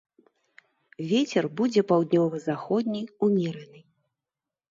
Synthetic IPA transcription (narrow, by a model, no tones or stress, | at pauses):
vʲet͡sʲɛrbud͡zʲɛpawd̪ʲnʲɔvɨzaxɔd̪ʲnʲɛjumʲɛɾɛnɨ